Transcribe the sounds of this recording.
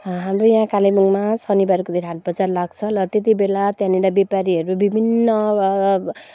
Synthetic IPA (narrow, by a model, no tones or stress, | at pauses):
ɦamrojãkalemuŋmasʌnibaɾikod̪ʱeɾɦaʈ̪̚bʌt͡sarlaɡ̚t͡sʰʌlʌt̪jet̪̬ibelat̪jãniɽabepaɾiɦʌɾubibʱinːʌ